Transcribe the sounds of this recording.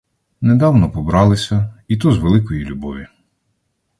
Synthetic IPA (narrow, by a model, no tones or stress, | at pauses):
ned̪ɑwnɔpɔbɾɑlˠɪsʲɐit̪uzʋelˠɪkɔjilʲubɔʋʲi